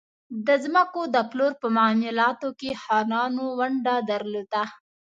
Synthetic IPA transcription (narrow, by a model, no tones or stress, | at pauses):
d̪əzməkod̪əploɾpəmamɪlɑt̪okehɑnɑnowaɳɖad̪əɾlod̪a